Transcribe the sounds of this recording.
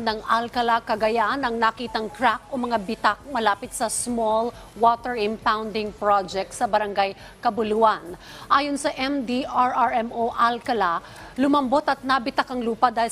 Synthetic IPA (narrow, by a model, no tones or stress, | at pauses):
nɐŋalkɐlakɐɡɐjaʔanɐŋnɐkiːt̪ɐŋkɹak̚ʔomɐŋabɪt̪ak̚mɐlaːpɪt̪sɐsmol | wot̪ɛɹɪmpawnd̪ɪŋpɹod͡ʒɛk̚t̪sɐbɐɾɐŋɡaj | kɐbʊluʔɐn | ʔaːjonsɐʔɛmd̪iaɹʔaɹɛmʔoʔalkɐla | lʊmɐmbot̪ɐt̪̚nɐbɪt̪akɐŋluːpɐd̪aːh